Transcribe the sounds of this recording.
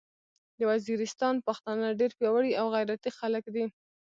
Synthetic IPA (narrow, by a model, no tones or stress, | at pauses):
d̪əwaziɾɪst̪ɑnpaxt̪ɑnəɖeɾpjɑwaɽiawɣajɾat̪ixaləkd̪i